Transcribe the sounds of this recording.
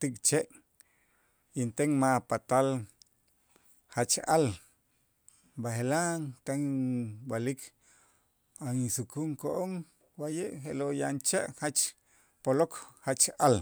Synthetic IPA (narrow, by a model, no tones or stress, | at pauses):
t̪ikt͡ʃeʔ | int̪eŋmapat̪al | hat͡ʃal | baɦelaŋt̪aŋwalikʰ | aisukuŋkoʔoŋ | wajeʔxelojant͡ʃeʔhat͡ʃ | polokhat͡ʃal